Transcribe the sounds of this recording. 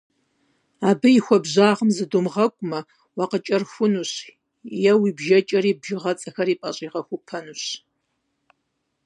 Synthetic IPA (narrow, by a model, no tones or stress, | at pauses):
aːbɨjixʷɔbʑaːʁəmzɨdumʁɐkʷʼʊmɐ | wɑːqət͡ʃʼɐrxʷʊnuɕ | jɛwiːbʒɐt͡ʃʼɐɾiːbʒɪʁɐt͡sʼɐxɐɾiːpʼɐɕʼiːʁɐxʷʊpʰɐnuɕ